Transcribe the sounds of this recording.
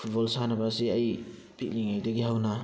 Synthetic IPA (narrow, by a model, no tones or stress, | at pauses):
pʰut̚bɔlsanɐbasiɐj | pʰit̚liŋajdɐɡihawna